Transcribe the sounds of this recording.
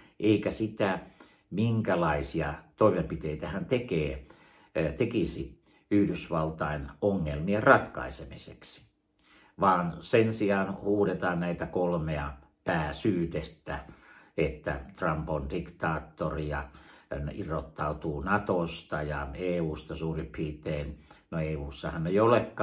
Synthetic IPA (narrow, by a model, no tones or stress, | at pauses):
ʔeikæsit̪æ | miŋkælɑisiɑt̪oimempit̪eit̪æhænt̪ekeː | t̪ekisi | yhdysʋɑlt̪ɑinoŋːelmierɑt̪kɑ̰isemisḛksi̥ | ʋɑːnsensiɑːnhuːdet̪ɑːnnæit̪ækolmeɑ | pæːsyːt̪est̪æet̪ːæ̰t̪rɑmpondikt̪ɑːt̪ːorijɑnirot̪ːɑut̪uːnɑt̪ost̪ɑjɑeːuːst̪ɑsuːripʰiːt̪eːnnoeːuːsːɑhɑnːeijolekːɑ